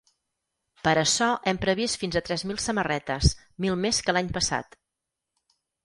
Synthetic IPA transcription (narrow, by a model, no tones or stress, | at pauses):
pəɾəʃɔʔɛmpɾəβ̞ist̪finzət̪ɾɛzmilˠsəmərɛt̪əs | milˠmeskəlaɲpəsa̰t̪